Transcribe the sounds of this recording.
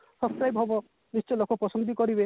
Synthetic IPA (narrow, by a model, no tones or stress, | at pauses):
sɔpskɾajbɦɔbɔ | nist͡ʃɔlokɔpɾɔsɔnd̪ikɔɾibe